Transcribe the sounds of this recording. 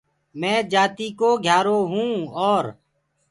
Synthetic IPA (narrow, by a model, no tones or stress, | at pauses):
mɛ̃ːd͡ʒaːt̪iːkoːɡʱjaːɾoːɦũːɔːɾ